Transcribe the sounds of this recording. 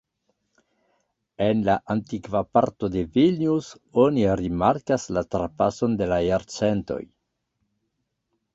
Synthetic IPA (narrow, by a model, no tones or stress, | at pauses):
enlaʔantikvapa̰ɾto̞de̞vilnus | oniɾimaɾkaslatɾapaso̞ndelajaɾt͡sento̞̰j